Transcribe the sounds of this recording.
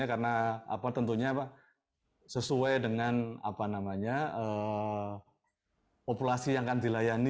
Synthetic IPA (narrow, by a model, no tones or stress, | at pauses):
akaɾənaa̰pat̪ənt̪uɲapa | səsuajdəŋana̰panamaɲaə | populasijaŋkandilajani